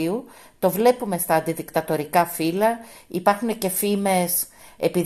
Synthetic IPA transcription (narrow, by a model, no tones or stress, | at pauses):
u | t̪o̞vle̞pume̞st̪ɐːnd̪iðikt̪ɐt̪o̞ɾikɐfilɐipɐɾxune̞ce̞fime̞s | epi